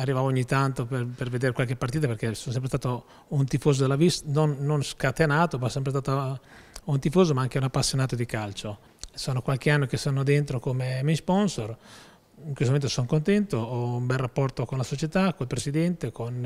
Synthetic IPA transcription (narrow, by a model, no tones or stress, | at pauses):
arːivaːvoɲːit̪ant̪opeperved̪eːɾekwalk̟epːart̪iːt̪aperkesonsɛmpɾest̪aːt̪o | unt̪ifoːzod̪elːavist̪nonːonskat̪enaːt̪ovɔsːɛmpɾest̪at̪o | unt̪ifoːzomaaŋk̟eunapːasːjonaːt̪od̪ikalt͡ʃo | soːnokwalk̟eanːokesanːod̪ent̪ɾokomemijspɔnsor | iŋkwest̪oment̪osonkont̪ɛnt̪oɔumbɛlrapːɔrt̪okonlasot͡ʃet̪akoilpɾesid̪ɛnt̪ekon